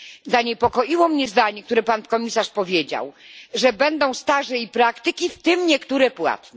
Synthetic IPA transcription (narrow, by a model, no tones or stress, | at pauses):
zaɲɛpɔkɔʔiwɔmɲɛzd̪aɲɛk̚t̪uɾɛpankɔmʲisaʂpɔvʲjed͡ʑa̰wʐɛbɛnd̪ɔ̃w̃st̪aʐɛipɾakt̪ɘkʲift̪ɘmɲɛkt̪uɾɛpwa̰t̪nɛ